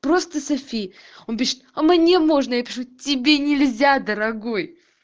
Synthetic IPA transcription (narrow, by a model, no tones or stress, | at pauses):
pɾo̞st̪əsɐfʲij | o̞np̬ʲiʂɪ̥t̪əmnʲemo̞ʐnəjapʲɪʂutʲɪbʲe̞nʲɪlʲzʲad̪əɾɐɡo̞j